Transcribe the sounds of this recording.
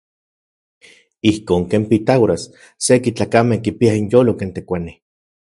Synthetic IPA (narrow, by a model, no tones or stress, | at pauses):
ihkoːŋkempit̪awɾasː | ekit͡ɬaːkamehkipiainjoːlokent̪ekʷani